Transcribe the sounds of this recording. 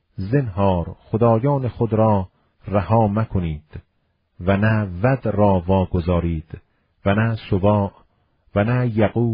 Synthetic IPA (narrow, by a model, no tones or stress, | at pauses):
zenɦɒːɾχod̪ɒːjɒːnexod̪ɾɒː | ræhɒːmækʰoniːd̪̥ | vænævæd̪rɒːvɒːɡozɒːɾiːd̪̥ | vænæsobɒːʔ | vænæjæɣuː